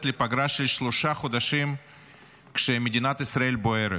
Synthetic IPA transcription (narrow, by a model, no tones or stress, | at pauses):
t̪lʲipɐɡɾaʃelʲʃloʃaχod̪aʃim | kʃemed̪ʲinat̪isɾae̞lʲboeɾet